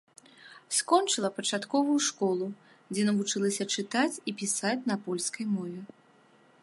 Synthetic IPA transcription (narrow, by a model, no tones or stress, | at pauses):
skɔnt͡ʂɨlˠɐpɐt͡ʂat̪kɔvujuʂkɔlˠu | d͡zʲɛnɐvut͡ʂɨlˠɐsʲɐt͡ʂɨt̪at͡sʲipʲisat͡sʲnɐpɔlʲskɐjmɔvʲɛ